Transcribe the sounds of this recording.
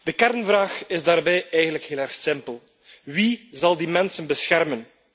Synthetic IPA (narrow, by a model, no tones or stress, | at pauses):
d̥əkɛrnvraːxɪzdaːrbɛjɛjɣəndləkɦɪːlˠɛrxsɪmpəlˠ | wizɑlˠdimɛnsənbəsxɛrmən